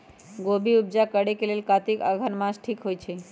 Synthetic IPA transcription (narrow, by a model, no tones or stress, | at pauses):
ɡobʱiʊb̚d͡ʒakəɽekelelkat̪ika̰ɡʱənmãsʈʰikɦojt͡ʃʰe